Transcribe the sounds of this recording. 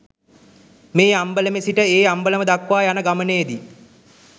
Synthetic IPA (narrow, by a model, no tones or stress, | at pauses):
meːambələmesiʈəeːambələməd̪akʋaːjanəɡaməneːd̪i